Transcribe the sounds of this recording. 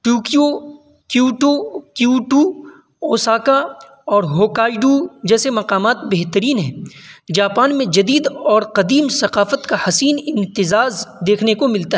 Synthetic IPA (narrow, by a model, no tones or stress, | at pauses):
ʈuːkijo | kjuːʈokjuːʈu | oːsaːka | ɔːɾɦoːkaːiɖud͡ʒɛːsemɐqaːmaːt̪̚bɛɦt̪əɾiːnɦɛ̃ːd͡ʒaːpaːnmẽd͡ʒɐd̪iːd̪ɔːɾqɐd̪iːmsɐqaːfət̪kahɐsiːnɪ̃nt̪ɪzaːzd̪eːkʰnekomɪlt̪aɦ